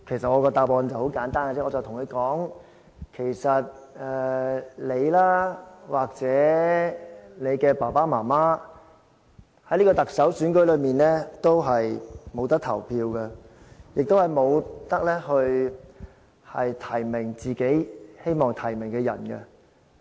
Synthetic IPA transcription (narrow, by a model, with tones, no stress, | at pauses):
kʰe˨˩sɐ˨t̚ŋɔː˨˧kɔː˧t̪aː˧pɔː˧nt͡sɐ˨who˨˥wkaː˨˥nt̪aː˥nkə˧t͡sɛ˥ɔː˧t͡sɐ˨wt̪ʰʊ˨˩ŋkʰɵ˨˧kɔː˨˥ŋ | kʰe˨˩jsɐ˨t̚ɛ˨le˨˧jlaː˥waː˨k̚t͡sɛː˨˥ | ne˨˧jkɛː˧paː˨˩paː˥maː˨˩maː˥ | hɐ˨˥jliː˥kɔː˧t̪ɐ˨k̚sɐ˨˥wsyː˨˥nkɵ˨˥jlɵ˨˧ɥmiː˨nlɛ˥t̪o˥wɦɐ˨jmo˨˧wt̪ɐ˥k̚t̪ʰɐ̰˨˩wpʰiː˧wkɛ˧ | jɪ˨k̚t̪o˥whɐ˨jmo˨˧wt̪ɐ˥k̚lɛː˥hɵ˧ɥ | hɐ˨jt̪ʰɐ˨˩jmɪ˨˩ŋt͡siː˨ke˨˥jhe˥jmɔː˨ŋt̪ʰɐ˨˩jmɪ˨˩ŋkɛː˧jɐ̰˨˩nkɛ̰˧